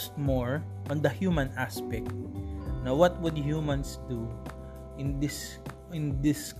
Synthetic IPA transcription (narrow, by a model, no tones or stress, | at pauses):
st̪̚moɹ | ʔɔ̃nd̪ɐhjumɐ̃naspɛk̚t̪̚nɐwʌt̪̚wʊd̪hjumɐ̃nsd̪u | ʔɪnd̪ɪs | ɪ̃nd̪ɪs